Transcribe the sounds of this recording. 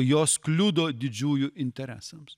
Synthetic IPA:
joːsklʲʊd̪oːd̪ʲɪd͡ʒʲuːjʊʔɪnʲt̪ʲɛɾʲæ̰ːsɐms

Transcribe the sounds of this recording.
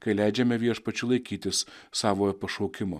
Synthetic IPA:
kɐɪlʲæɪd͡ʒʲɛmʲɛʋʲiɛʃpɐt͡ʃʲʊlˠɐɪkʲiːt̪ʲɪs | sɑːʋoːpɐʃoːkʲɪmoː

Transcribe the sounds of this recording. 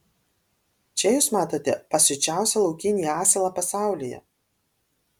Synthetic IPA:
t͡ʃʲɛjuːsmɑːt̪oːt̪ʲɛpɐsʲʊt͡ʃʲæˑʊsʲɛlˠɒʊkʲɪnʲiːjɑːsʲɛlˠɑpɐsɑˑʊlʲijɛ̰

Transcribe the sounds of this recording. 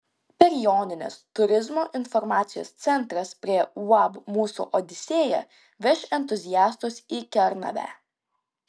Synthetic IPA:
pʲɛɾʲjɔːnʲɪnʲḛst̪ʊɾʲɪzmoːʔɪnfɔɾmɑːt̪sʲɪjo̰ːst̪sʲɛnˑt̪ɾɐspʲɾʲiɛwɑbmuːsṵʔod̪ʲɪsʲeːjɛ̰ | ʋʲɛʃɛnʲt̪ʊzʲɪjæːst̪ʊsikʲɛɾnɐ̰ʋʲæ̰ː

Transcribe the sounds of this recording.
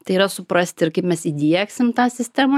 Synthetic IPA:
t̪ɐɪiːɾɐsʊpɾɐsʲt̪ʲɪɪɾkɐɪpmʲɛsiːd̪ʲiɛksʲɪmt̪ɑːsʲɪsʲt̪ʲæmɐ

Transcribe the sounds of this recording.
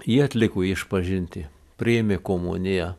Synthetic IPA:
jiːɐt̪ʲlʲɪkoːɪʃpɐʒʲɪnʲt̪ʲɪ | pʲɾʲɪemʲekoːmʊ̰nʲɪjɛ

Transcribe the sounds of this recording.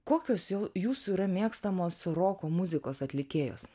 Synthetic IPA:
koːkʲoːsjoːjuːsuiːɾɐmʲeɛkst̪ɐmoːsɾoːkoːmʊzʲɪkoːsɐt̪ʲlʲɪkʲeːjo̰ːs

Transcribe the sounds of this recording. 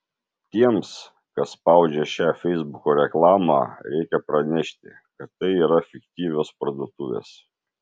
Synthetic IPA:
t̪ʲiɛms | kɐsspɑˑʊd͡ʒʲɛʃʲæːfʲɛɪzbʊkoːɾʲɛklˠɑːmɑ̰ːɾʲɛɪkʲɛpɾɐnʲɛʃʲt̪ʲɪ | kɐt̪ːɐɪiːɾɐfʲɪkt̪ʲiːʋʲoːspɾɐd̪uɔt̪ʊʋʲḛːs

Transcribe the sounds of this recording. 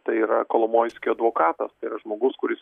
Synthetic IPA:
t̪ɐɪiːɾɐkoːlˠomoːjsʲkʲoɐd̪ʋoːkɑːt̪ɐst̪ɐɪiɾɐʒmoːɡʊskʊɾʲɪs

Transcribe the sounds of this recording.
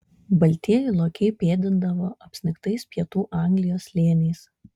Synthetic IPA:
bɐlʲt̪ʲiɛjʊlˠoːkʲɛɪpʲeːd̪ʲɪnd̪ɐʋoːʔɐpʲsʲnʲɪkt̪ɐɪspʲɛt̪uːʔɑˑŋʲɡlʲɪjoːslʲeːnʲɛɪs

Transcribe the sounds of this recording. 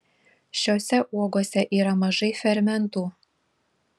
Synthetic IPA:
ɕosʲɛʔuɔɡoːsʲɛʔiːɾɐmɐʒɐjfʲɛɾʲmʲɛnt̪uː

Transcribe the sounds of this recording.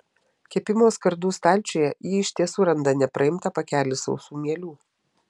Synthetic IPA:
kʲɛpʲɪmoːskɐɾd̪uːst̪ɑːlʲt͡ʃʲoːjɛjiːɪʃʲt̪ʲiɛsuːɾɐnd̪ɐnʲɛpɾɐɪmt̪ɑpɐkʲæːlʲɪsɒ̰ʊsuːmʲiɛlʲuː

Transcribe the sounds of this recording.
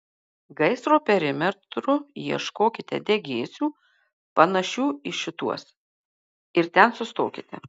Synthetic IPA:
ɡɐɪsɾoːpʲɛɾʲɪmʲɛɾt̪ɾʊjiɛʃkoːkʲɪt̪ʲɛ̰d̪ʲɛɡʲeːsʲuː | pɐnɐʃʲuːɪʃʲɪt̪uɔs | ɪɾt̪ʲɛnsʊst̪o̰ːkʲɪt̪ʲɛ̰

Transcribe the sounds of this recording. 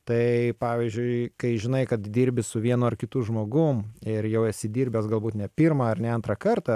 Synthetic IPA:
t̪ɐɪpɑːʋʲiːzʲd͡ʒʲʊɪkɐɪʒʲɪnɐɪkɐt̪d̪ʲiːɾʲbʲɪsʊʋʲiɛnoɐrkʲɪt̪uʒmoːɡʊmɪɾjɛʊɛsʲɪd̪ʲiːɾʲbʲɛːsɡɐlˠbuːt̪nʲɛpʲiːɾmɑɐrnʲɛɐnt̪ɾɐkɐrt̪ɐ

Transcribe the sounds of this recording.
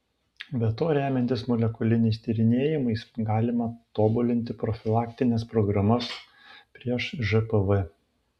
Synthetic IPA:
bʲɛt̪oːɾʲæːmʲɛnʲt̪ʲɪsmɔlʲɛkʊlʲɪnʲɛɪst̪ʲiːɾʲɪnʲeːjɪmɐɪsɡɑːlʲɪmɐt̪oːbʊlʲɪnʲt̪ʲɪpɾɔfʲɪlˠɑːkʲt̪ʲɪnʲɛspɾɔɡɾɐmɐs | pʲɾʲiɛʃʒɛpəʋɛ

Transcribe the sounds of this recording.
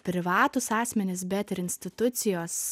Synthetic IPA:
pʲɾʲɪʋɑːt̪ʊsɑːsʲmʲɛnʲɪsbʲɛt̪ɪɾɪnʲsʲt̪ʲɪt̪ʊt̪sʲɪjoːs

